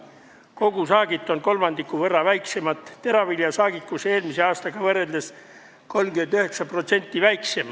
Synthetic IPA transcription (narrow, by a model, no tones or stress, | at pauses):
ko̞ɡ̥usɑːɡ̥it̪ːˑo̞nko̞lmɑnd̪̥ikːˑuvɤrːɑvæjkse̞mɑt̪ˑt̪e̞ɾɑviljɑsɑːɡ̥ikkuse̞ːlmise̞ɑːst̪ɑɡ̥ɑvɤre̞ld̪̥es | ko̞lmɡymend̪yɦe̞ksɑpro̞t̪se̞nʲt̪ːivæjkse̞m